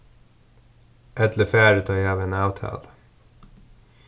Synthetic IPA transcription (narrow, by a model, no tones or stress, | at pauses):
ʔɛt̪ləfæːɾʉːt̪ʰɑːjhɑːʋeːnɑʊt̪hɑ̰l